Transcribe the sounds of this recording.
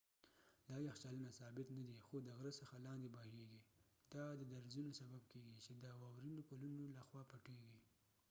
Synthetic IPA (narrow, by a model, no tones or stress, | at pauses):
d̪ɑjaxt͡ʃalənasɑbɪt̪nad̪ixod̪əɣɾəsəxalɑnd̪ebɑheɡi | d̪̥ɑd̪əd̪aɾzunosabab̚keɡit͡ʃed̪əwɑwɾinokalunolaxwɑpaʈeɡi